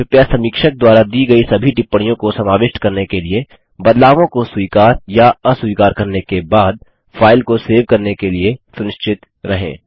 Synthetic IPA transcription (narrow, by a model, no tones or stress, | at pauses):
ɪpjasɐ̃miːkʃək̚d̪waːɾad̪iːɡɐisɐbʱiʈɪpːəɽ̃ijõkosɐmaːʋɪʃʈkɐɾnekelie | bɐd̪laːʋõkoswiːkaːɾjaɐswiːkaːɾkɐɾnekebaːd̪̚ | fʰaːɪlkoseːʋkɐɾnekeliesʊnɪʃt͡ʃʰɪt̪ | ɾɐɦḛ̃ː